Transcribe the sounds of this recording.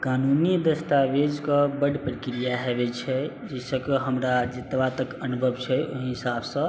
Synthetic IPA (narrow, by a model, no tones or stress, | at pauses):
kanunid̪əst̪aʋed͡ʒkəbəɽpɾəkɾijaɦebɛt͡ʃʰɛ | d͡ʒɛsə̃keɦəmɾad͡ʒet̪ʋat̪əkənubʱəbt͡ʃʰɛoɦɦɦisabsə̃